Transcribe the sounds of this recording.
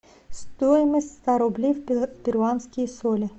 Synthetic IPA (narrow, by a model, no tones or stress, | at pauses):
st̪ɔjɪmɪsʲst̪ɑɾɔblʲiwbʲirɑnsʲkʲijisɔlʲi